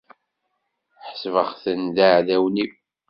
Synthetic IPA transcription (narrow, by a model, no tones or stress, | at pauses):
ħsvəχθənd̪aʕðæwni